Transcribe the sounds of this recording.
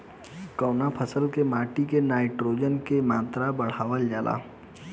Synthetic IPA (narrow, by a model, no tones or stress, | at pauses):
kəːnapʰəsəlkemaːʈikenaːɪʈɾoːd͡ʒənkemãːt̪ɾabəɽ̤aːʋəld͡ʒaːlʔa̰ː